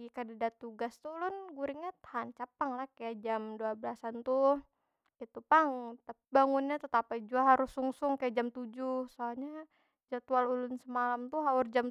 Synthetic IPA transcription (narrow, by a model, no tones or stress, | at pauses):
kadadat̪uɡast̪ulʊnɡuɾiŋat̪ahant͡ʃapaŋlahkajaʔd͡ʒamduabəlasant̪u | ɡit̪upaŋt̪a | baŋunɲat̪ət̪apaid͡ʒuaɦaɾʊsuŋsʊŋkajaʔd͡ʒamt̪ud͡ʒʊsoaɲa | d͡ʒat̪ualulʊnsəmalamt̪uɦaʊrd͡ʒam